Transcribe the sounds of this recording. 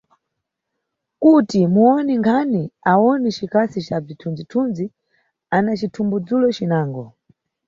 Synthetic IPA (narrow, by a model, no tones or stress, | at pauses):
kutimuɔniŋɡʰaniaɔnit͡ʃikasit͡ʃab͡ʐitʰund͡zitʰunzi | anat͡ʃitʰumbud͡zulɔt͡ʃinaːŋɡɔ